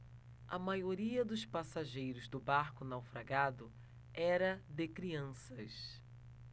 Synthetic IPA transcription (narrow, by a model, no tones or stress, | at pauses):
ɐmajoɾiɐd̪ʊspasaʒejɾʊzd̪ʊbaɾkʊnawfɾaɡad̪ʊ | ɛɾɐd̪ɪkɾiɐ̃sɐs